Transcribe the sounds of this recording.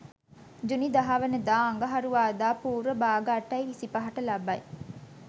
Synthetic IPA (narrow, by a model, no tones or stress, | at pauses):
d͡ʒunid̪ɐɦaːʋɐnəd̪aːɐŋɡɐɦɐɾuʋaːd̪aːpuːɾəbaːɡaːʈːɐjʋisipɐɦɐʈɐlɐbɐj